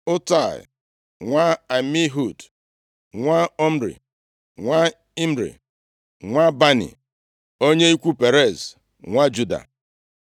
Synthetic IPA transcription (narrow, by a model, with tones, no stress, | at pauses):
ʊ˦ta˦˨ɪ̰˨ | ŋʷa˦a˨mi˦ɦu˦˨d | ŋʷa˦ɔ˦m̩˦ɾḭ˨ | ŋʷa˦ | i˦m̩˦ɾḭ˨ | ŋʷa˦ba˦nḭ˨ | o˦ɲe˦i˦kʷu˦pe˨ɾe˦˨z | ŋʷa˦d͡ʒu˦da̰˨